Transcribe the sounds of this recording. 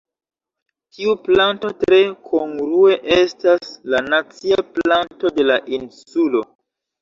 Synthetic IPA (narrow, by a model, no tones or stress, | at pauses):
tʰiuplanto̞tɾe̞kʰoŋɡɾue̞ʔestaslanat͡siaplanto̞de̞laʔinsulo̞